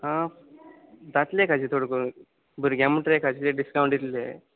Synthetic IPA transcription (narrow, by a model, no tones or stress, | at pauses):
ɦã | d̪at̪lekad͡ʑiːt̪ʰoɽkoɾ | bəɾɡaməʈɾekad͡ʑit̪eɖiskawɳʈjit̪le